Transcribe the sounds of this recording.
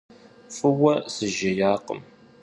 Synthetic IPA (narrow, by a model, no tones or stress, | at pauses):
fəwɐsəʒəjaːqə̰m